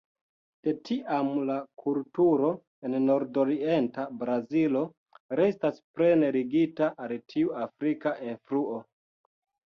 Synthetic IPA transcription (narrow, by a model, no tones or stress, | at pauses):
d̥e̞tiʔamlakʰultuɾo̞ | enno̞ɾdoɾie̞ntabɾazilo̞ | ɾe̞staspɾe̞ne̞ɾiɡitaʔaltʰiuafɾikaʔenfɾuo̞